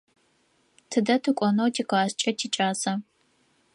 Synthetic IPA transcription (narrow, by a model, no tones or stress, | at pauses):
tʰɨdɐtʰɨkʷʼɔnowtʰiqaːst͡ʃʼɐtʰiːt͡ʃʼaːzɐ